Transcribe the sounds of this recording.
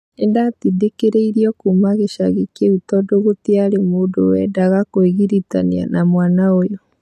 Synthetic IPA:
endatidekeɾeiɾiɔkumaɣeʃaɣekeutɔdoɣotiaɾemoːdowɛdaɣakoeɣiɾita̰nia̰namwaːnaojɔ

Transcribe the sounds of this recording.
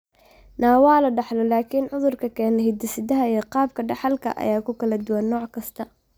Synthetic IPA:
naːwɑːlɐɖɑħlɔlaːkʰiːnʕʊðʊrkʰɐkʰɛːnɛhɪd̪ɪsɪd̪ɐɦɐiːqɑːb̚kʰɐɖɑħɑlkʰɐ̰ʔɐ̰jaːkʰʊkʰɐlɐd̪ʊwɐnːɔːʕkʰɐst̪ʰɐ

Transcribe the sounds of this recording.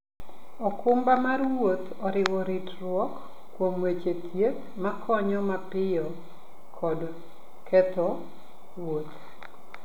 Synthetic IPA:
ɔkʊmbamarwot̪ | ɔɾɪwɔɾitrwɔkː | womwet͡ʃet̪ʰjet̪ | makʰɔɲɔmapɪjɔ | kʰɔd | kʰɛt̪ɔ | ɾwot̪

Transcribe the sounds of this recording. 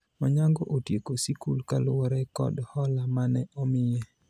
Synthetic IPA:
maɲaŋɡɔʔotjekosikulkalʊwɔɾɛkɔ̰dhɔlamanɛʔɔmɪjɛ

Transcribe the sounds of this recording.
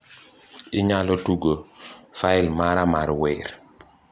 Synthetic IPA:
iɲalɔtuɡofaɪlmaɾamaɾwɛɾ

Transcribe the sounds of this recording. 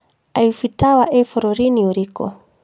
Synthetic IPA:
aifitawaʔɛfɔɾɔɾiniuɾikɔ̰

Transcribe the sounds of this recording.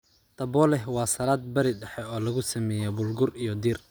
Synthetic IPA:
t̪ʰɐbɔːlɛɦwɑːsɐlaːd̪̚bɐɾɪɖɛħɛɔːlɐɣʊsɐmɛːjɛbʊlɡʊrijɔd̪iːr

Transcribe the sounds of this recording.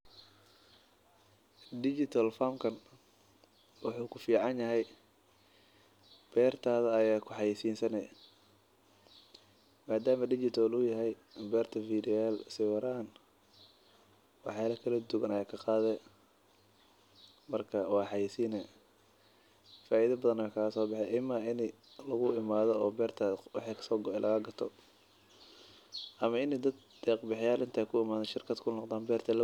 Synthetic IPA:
d̪ɪt͡ʃɪt̪ʰɐlfamkʰɐn | wɑħuːkʰʊfiːʕɑnjɐɦɛj | b̥ɛːrt̪ʰaːðɐːjaːkʰʊħɑjisiːnsɐnɛ | maːd̪aːmɐdɪt͡ʃɪt̪ʰɔlʊjɐɦɛj | bɛːrt̪ʰɐfiːd̪ɪɛːlsɪwɑɾaːn | wɑħjaːlɐkʰɐlɐd̪ʊɣɐnɐjaːkʰɐqɑːðɛ | mɐrkʰɐwɑːħɑjisiːnɛ | faːʔiðɐbɐðɐnɐɛkʰaːɣɐsɔːbɑħɛʔɪmɐɪnɪ | lɐɣʊʔɪmaːðɔɔːbɛːrt̪ʰawɑ̰ħɑːkʰɐ̥sɔːɡɔɛlʔɐɣɐɡɐt̪ʰɔ | ʔɐmɐɪnɛd̪ɐd̪ | d̪̥ɛːqbɑħɪjaːlʔɪnt̪ʰaːkʰʊɪmaːðɐɛʃɪrkʰɐd̪kʰʊnɔqd̪aːnbɛːrt̪ʰɛlɐ

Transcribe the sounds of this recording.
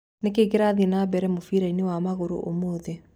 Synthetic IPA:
nek̬eːɣeɾaðinabɛɾɛmofiɾainewamaɣoɾo̰ʔomoːðe

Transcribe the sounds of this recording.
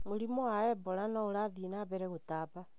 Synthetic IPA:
moɾimoaɛbɔɾanɔoɾaðienaːβɛɾɛɣotaːβa

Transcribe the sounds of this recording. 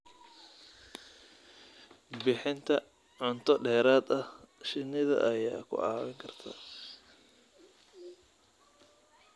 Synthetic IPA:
bɪħɪnt̪ʰɐ | ʕʊnt̪ʰɔɖɛːɾaːd̪ɐhʃɪnːɪðɐ̰ʔɐjaːkʰʊ̰ʕɑ̰ːwɪŋkʰɐrt̪ʰa̰ː

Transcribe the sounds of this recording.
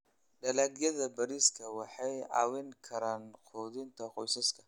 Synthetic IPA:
ɗɐlaɡijɐdɐbɐɾiskɐwaħaja̰ːwinkʰɐɾanqʰod̪int̪ʰɐqʼojsɐskɐ̥

